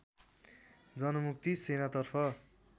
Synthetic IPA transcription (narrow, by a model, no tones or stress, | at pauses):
d͡zʌnʌmuk̚t̪isenat̪ʌrpʰʌ